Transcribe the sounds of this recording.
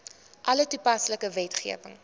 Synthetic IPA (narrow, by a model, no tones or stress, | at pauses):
ʔɐlətupɐsləkəvɛtχiəvəŋ